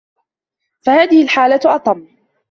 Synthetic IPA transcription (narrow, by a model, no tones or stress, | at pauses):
fahaːðɪhɪlħaːlat̪ʔɑt̪ˤɑmː